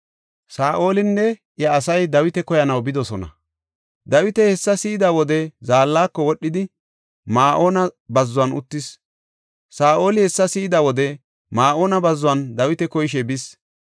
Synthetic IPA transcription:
saːʔo̞ːlɪnːɛ | jɐːsɐjd̪ɐwɪt̪ɛkɔjɐnɐwbɪd̪ɔsɔnɐ̰ | d̪ɐwɪt̪ɛhɛsːɐsiːd̪awɔd̪ɛzaːlːaːkːɔwɔɗːɪd̪ɪ | maːʔoːnɐbɐzːʊwɐnʊ̰t̪ːɪs | saːʔo̞ːlɪhɛsːɐsiːd̪ɐwɔd̪ɛ | maːʔoːnɐbɐzːʊɐnd̪ɐwɪt̪ɛkɔjɪʃ̬ɛbɪs

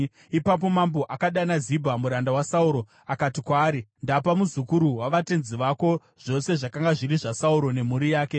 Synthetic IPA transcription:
ipap̬o̞mambo̞ʔakaɗanazibʱamuɾandawasauɾo̞ | akatikwaːɾindapamuzukuɾuwaʋate̞nziʋako̞ | ʐ̥o̞se̞ʐakaŋɡaʐiɾiʐasauɾo̞ne̞muɾijaːke̞

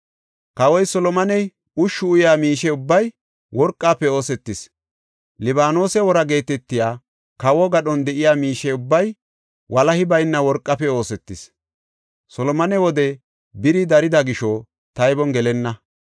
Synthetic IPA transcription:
kɐwɔjsɔlɔmɐnɛj | ʊʃːʊʊjaːmiːʃɛʊbːɐj | wɔɾkʼːaːpːɛo̞ːsɛt̪ːɪs | lɪbaːno̞ːsɛwɔɾɐɡe̞ːt̪ɛt̪ːɪjaː | kɐwɔɡɐɗɔnd̪ɛʔɪjaːmiːʃɛʊbːɐj | wʔɐlɐhɪbɐjnːɐwɔɾkʼːɐpɛo̞ːsɛt̪ːɪs | sɔlɔmɐnɛwɔd̪ɛ | bɪɾɪd̪ɐɾɪd̪ɐɡɪʃɔ | t̪ɐjbɔnɡɛlɛnːɐ

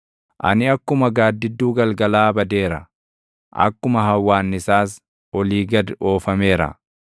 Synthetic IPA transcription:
ʔɐ̰nɪɐkːʊmɐɡaːd̪ːɪd̪ːuːɡɐlɡɐlaːbɐd̪e̞ːɾɐ̰ | ʔɐ̰kːʊmɐɦɐwːaːnːɪsaːs | ʔɔliːɡɐd̪o̞ːfɐme̞ːɾɐ̰

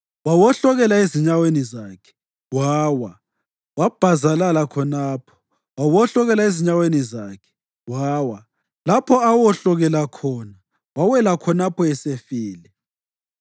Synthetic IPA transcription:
wawɔɬɔɣɛlaeziɲawenizaːkʰɛ̥ | waːwa | wab̥ʱazalalakʰɔnaːpʰɔ̥ | wawɔɬɔɣɛlaeziɲawenizaːkʰɛ̥ | waːwa | lapʰɔawɔɬɔɣɛlakʰɔːna | wawɛlakʰɔnapʰɔɛsefiːlɛ

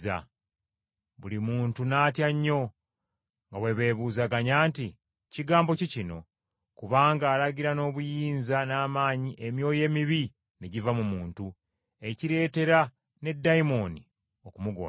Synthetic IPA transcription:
a̰ | βulimuːntunaːtjaɲːo̞ | ŋɡawe̞βe̞ːβuːzaɡaɲaːnti | ciɡaːmbo̞cicino̞̰ | kuβaːŋɡaːlaɟiɾano̞ːβujiːnzanaːmaːɲiʔe̞mjo̞ːje̞ːmiβi | neɟivamumuːntu | e̞ciɾe̞ːte̞ɾa | ne̞dːaimo̞ni | o̞kumuɡo̰ː

